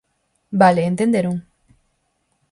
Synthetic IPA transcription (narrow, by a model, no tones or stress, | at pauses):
baleːnt̪end̪eɾuŋ